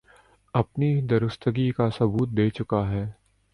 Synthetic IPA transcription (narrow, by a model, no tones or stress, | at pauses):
ɐpnid̪ɐɾʊst̪ʰəɡikasɐbuːt̪̚d̪eːt͡ʃʊkaɦɛː